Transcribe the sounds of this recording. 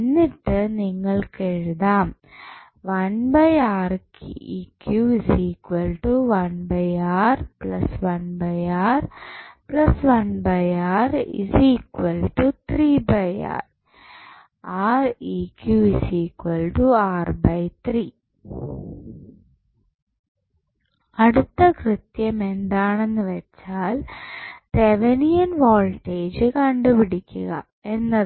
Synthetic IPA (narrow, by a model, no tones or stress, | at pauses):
nːɪʈːɨniːŋɡɐɭkɛɻðaːm | ʋɐnbɐɪaːɾkiːkjuːsiːkɐlʈuʋɐnbɐɪaːɾplɐsʋɐnbɐɪaːɾplɐsʋɐnbɐɪaːɾḭsiːkʋɐlʈut̪ɾiːbɐɪa̰ːɾ | aːriːkjuisiːkwɐlʈuaːrbɐjt̪riː | ɐɽut̪ːɐkrɨt̪jɐme̞nd̪aːɳe̞nːɨʋɐt͡ɕːaːlt̪eʋɐnijɐnʋoːlʈːeːd͡ʑɨkɐɳɖupiɽikʲːuɣɐ̰ | e̞nːɐð